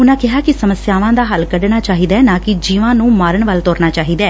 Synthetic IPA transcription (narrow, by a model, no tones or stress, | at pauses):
ʊnãːkɪɦaːkɪsəməsjaːʋãːd̪aːɦəlkəɖnaːt͡ʃaːɦiːd̪ɛːnãːkɪd͡ʒiːʋãːnũːmaːɾəɳʋəlt̪oːɾnaːt͡ʃaːɦiːd̪aː